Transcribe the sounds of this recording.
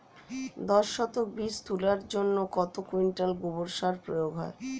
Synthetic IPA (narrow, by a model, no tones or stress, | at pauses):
d̪ɔʃːɔt̪ok̚bist̪ulaɾd͡ʑonːokɔt̪okiɳʈalɡuboɾʃaɾpɾojoɡɦɔ̰e